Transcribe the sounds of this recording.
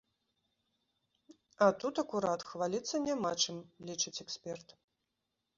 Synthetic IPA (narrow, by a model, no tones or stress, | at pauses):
ɐt̪ut̪ɐkuɾat̪xvalʲit̪sːɐnʲamat͡ʂɨmlʲit͡ʂɨt͡sʲɛksʲpʲɛrt̪